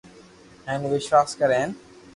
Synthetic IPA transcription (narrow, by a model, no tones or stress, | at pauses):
ɛ̃nʋɪʃʋaːskɐɾẽːn